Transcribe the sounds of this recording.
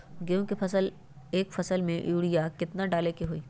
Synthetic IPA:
ɡejõkipʰɐsəl | eːkfɐsəlmẽʔjuːɽijakɪt̪naɖaːlekeɦoiː

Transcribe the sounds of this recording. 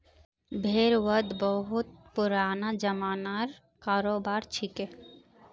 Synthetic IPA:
bʱeːɾwəd̪bəɦʊt̪̚pʊɾaːnad͡ʒəmaːnaɾ | kaːɾoːbaːɾt͡ʃʰike

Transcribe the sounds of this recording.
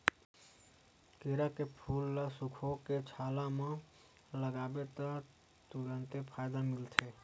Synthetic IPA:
keɾakepʰulːasukʰoket͡ʃʰalamẽ | ləɡabet̪ə | t̪uɾənt̪epʰajd̪amilt̪ʰe

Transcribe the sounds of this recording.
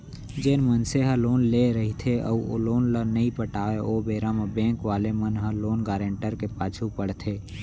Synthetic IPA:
d͡ʒeːnmənseɦəloːnleɾəɦit̪ʰeə̰uo̰loːnlənəĩpəʈaːeoːbeːɾaːmebɛ̃ːŋkʋaːlemənɦəloːnɡaːɾẽːɳʈəɾkepaːt͡ʃʰupəɽt̪ʰeː

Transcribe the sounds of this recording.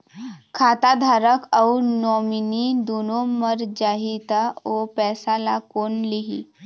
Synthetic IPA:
kʰat̪ad̪ʱaɾəkawnɔminid̪onoməɾd͡ʑaɦit̪aopɛsalakonliɦḭ

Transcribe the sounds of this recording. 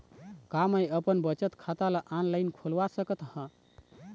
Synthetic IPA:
kaməjəpənbət͡ʃət̪kʰat̪aləʔanləjnkʰolʋasəkət̪hə̃

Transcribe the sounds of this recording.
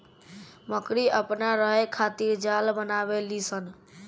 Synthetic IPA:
məkɾiəpnaɾəɦekʰat̪iɾd͡ʒalbənabelisən

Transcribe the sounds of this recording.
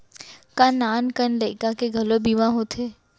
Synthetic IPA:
kanaːnkənləɪkakeɡʱɐlobiːmãɦot̪ʰeː

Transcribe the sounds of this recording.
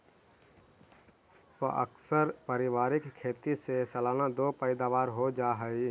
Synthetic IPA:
pəʔə̰ksəɾpəɾɪʋaːɾɪkkʰːeːt̪isesɐlaːnad̪oːpəɪd̪aːʋaːɾɦod͡ʒaːɦəi

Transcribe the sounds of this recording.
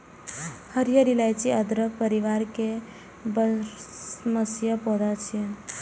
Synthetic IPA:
həɾjəɾilajt͡ʃiəd̪ɾəpəɾiʋaɾke | b | məsjəpɔɾat͡ʃʰiən

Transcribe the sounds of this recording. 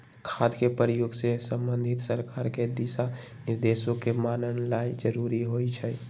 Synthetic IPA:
kʰad̪kepəɾijoɡsesəmbənd̪ʱit̪səɾkaɾked̪isa | niɾd̪esõkemanənlaid͡ʒəɾuɾiɦojt͡ʃʰɛ

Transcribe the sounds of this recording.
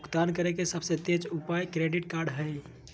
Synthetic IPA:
ukt̪ankəɾekesəbsə̃t̪ed͡ʒupajkɾeɖiʈkaɾɖɦəj

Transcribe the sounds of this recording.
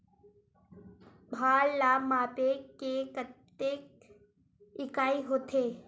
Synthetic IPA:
bʱaːllaːmaːpekekət̪ːeːk̚ | ɪkaːiɦoːt̪ʰeː

